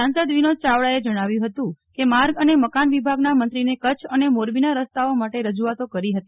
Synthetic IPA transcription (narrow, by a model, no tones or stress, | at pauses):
ãnsəd̪ʋinot͡ʃaʋɭaed͡ʒəɽ̃aʋjũɦət̪ũkemaɾɡəneməkanʋibʱaɡnamənt̪ɾinekət͡ʃʰənemoɾbinaɾəst̪aomaʈeɾəd͡ʒuʋat̪okəɾiɦət̪i